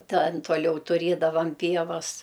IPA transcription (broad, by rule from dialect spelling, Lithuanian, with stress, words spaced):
ˈtɐn toːˈlʲɛʊ tʊˈrʲeːdɐʋɐm ˈpʲiɛʋɐs